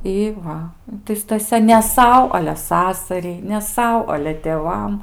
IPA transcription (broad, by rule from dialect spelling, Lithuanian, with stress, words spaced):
ˈɪ ˈʋɐ tɐɪ stɐˈsʲɛ nʲɛ ˈsɐʊ ɐlʲɛ ˈsɑːsɐrʲɛɪ nʲɛ ˈsɐʊ ɐlʲɛ tʲeːˈʋɐm